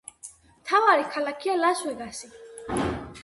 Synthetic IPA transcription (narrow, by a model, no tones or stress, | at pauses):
mt̪ʰavaɾikʰalakʰialaswɛɡasi